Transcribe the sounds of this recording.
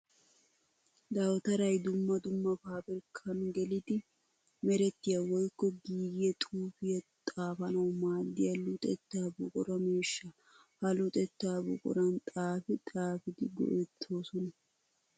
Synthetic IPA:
d̪ɐwt̪ɐɾɐjd̪ʊmːɐd̪ʊmːɐfaːbɪɾkʰɐnɡɛlɪd̪ɪ | mɛɾɛt̪ːɪjɐwɔjkːɔɡiːɡjɛt̪ʼuːfɪjɐt̪ʼaːfɐnɐwmaːd̪ːɪjɐlʊt̪ʼɛt̪ːaːbʊkʼʊɾɐmeːʃːɐ | hɐlʊt̪ʼɛt̪ːaːbʊ̰kʼʊ̰ɾɐnt̪ʼaːfɪt̪ʼaːfɪd̪ɪɡɔ̰ʔɛt̪ʰːo̞ːsɔnɐ

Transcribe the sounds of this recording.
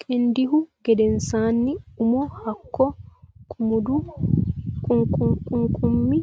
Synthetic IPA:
kʰʼendihuɡɛdɛnsanːiumɔhakːɔkʰʼumudu | kukukʼuŋkʰʼumːi

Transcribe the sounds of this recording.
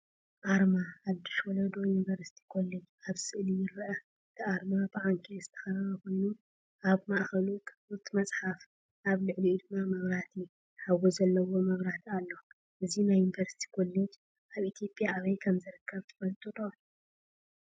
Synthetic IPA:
ʔaɾmaħad̪iʃwɔlɐd̪o̞junivɐɾsi̥t̪ʰi̥kʰo̞led͡ʒaβsɨʔlijɪɾɐʔɐ | ɨt̪ʰiʔaɾmabɨʕaŋkʰʼizɨt̪ʰɐ̥xɐɾɐβɐko̞jnu | ʔaβmaʔxɐlukʰ | ut̪ʰmɐt͡sʼħaf | ʔaβlɨʕliud̪ɨmːamɐβɾat̪ʰi | ħawːozɐlːɐwo̞mɐβɾat̪ʰalːo | ʔɨzinajːunivɐɾsi̥t̪ʰi̥kʰo̞led͡ʒ | ʔaβʔit̪ʰijo̞pʼjaːβɐjkʰɐmzɨɾɨkʰːɐβt̪ʰɨ̥fɐlt̪ʼud̪

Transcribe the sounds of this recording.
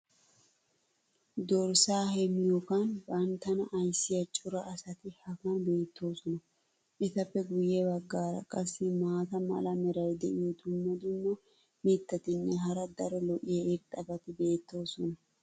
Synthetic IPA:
d̪ɔɾsaːhɛmɪjɔkɐnbɐnt̪ːɐnɐʔɐjsːɪjɐt͡ʃʼʊɾɐʔːsɐt̪ɪhɐkɐnbe̞ːt̪ːo̞ːsɔnɐ | ʔɪt̪ɐpːɛɡʊjɛbɐɡːaːɾɐ̰kʼɐsːɪmaːt̪ɐmɐ̰lɐmɛɾɐjd̪ɛʔɪjɔd̪ʊmːɐd̪ʊmːɐ | mɪt̪ːɐt̪ɪnːɛɦɐɾɐd̪ɐɾɔlɔʔɪjɛet̪ʼːɐbɐt̪ɪbe̞ːt̪ːo̞ːsɔnɐ

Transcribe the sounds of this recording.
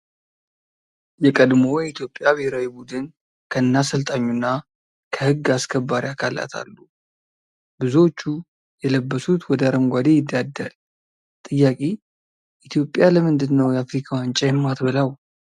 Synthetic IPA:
jɛkʼəd̪mo̞jɛit̪ʰjo̞pʼːjabeheɾəwibud̪ɨn | kʰəɨnːasəlt̪ʼaɲːunːa | kʰəhɨɡːaskʰəbːaɾiakʰala̰t̪ʰa̰lːu | bɨzuwot͡ʃːu | jɛləbːəsut̪wɔd̪əaɾəmɡʷad̪e̞jɪd̪ːad̪ːal | t̪ʼɨjːakʼe | ʔit̪ʰjo̞pʼːjaləmɨnd̪ɨnːəwjɛafɾikʰawant͡ʃʼɛjmːat̪bɨləw

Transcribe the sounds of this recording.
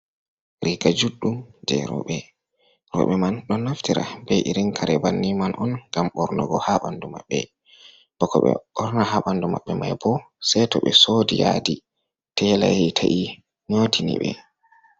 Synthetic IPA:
ɾikad͡ʒuɗːumd͡ʒɛɾɔ̰ɓɛ | ɾɔ̰ɓɛmanɗɔnːaftiɾa̰bɛʔiɾiŋkʰaɾɛbanːimanʔɔnɡamɓɔɾnɔɡɔhaɓanduma̰ɓːɛ | b̥ɔkɔɓɛ̰ɓɔɾnahaɓandumaɓːɛmajbɔ | sɛtɔɓɛsodijadi | tɛlahɛtʰaʔi | ɲotʰinḭɓɛ

